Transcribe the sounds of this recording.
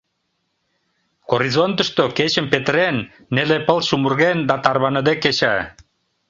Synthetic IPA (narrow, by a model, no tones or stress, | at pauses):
koɾizont̪ə̆ʃt̪oket͡ɕə̆mpet̪əɾenː | elepəlʃumurɣend̪ɑt̪ɑrβɑnəd̪ekːet͡ɕæ